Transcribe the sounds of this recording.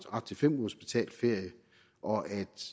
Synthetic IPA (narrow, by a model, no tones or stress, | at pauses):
d̥ɑ̥̈t͡sʰefem̰ho̝sb̥it͡sʰɛ̰ːl̥fe̝ɐ̰jə | ʔɒ̽ʔæd̥